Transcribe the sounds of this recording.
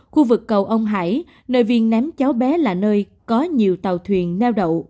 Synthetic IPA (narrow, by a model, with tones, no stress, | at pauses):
xu˧vɨ˨˩kːə˨˩wʔə˧wŋ͡mɦa̰ː˧˩j | nəː˧˩jvi˧nnɛ˨˦mt͡ɕaː˨˦wɓɛ˨˦laː˨˩nəː˧j | kɔ˨˦ɲi˨˩əwt̪a˨˩wt̪ʰwi˨˩ənnɛ˧wɗə̰˧˨w